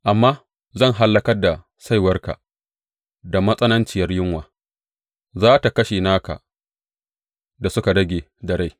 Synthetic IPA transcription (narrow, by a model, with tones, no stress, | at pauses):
ʔa˨mːaː˦ | zɐ˦˨ŋɦa˦lːɐ˦kɐ˦rda˨ | sa˦jwɐ˦rka̰˨ʔ | da˨mɐ˦sʼɐ˦nɐ˦nt͡ʃɪ˨jɐ˦rjɪ˦ŋwaː˨ | zaː˦ta˨kɐ˦ʃeː˨naː˦ka̰˨ʔ | da˨sʊ˦ka˨dɐ˦ɡʲeː˨ | dɐ˨ɽa˦j